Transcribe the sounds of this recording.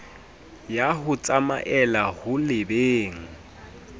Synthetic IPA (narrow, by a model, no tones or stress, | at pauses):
jaɦʊt͡sʼama̰ʔɛlahʊlɪbeːŋ̩